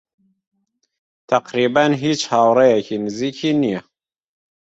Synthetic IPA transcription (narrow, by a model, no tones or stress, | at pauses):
t̪ʰæqɾiːbænɦiːt͡ʃhɑːwɾɛjɛkʰinɨziːkʰinijɛ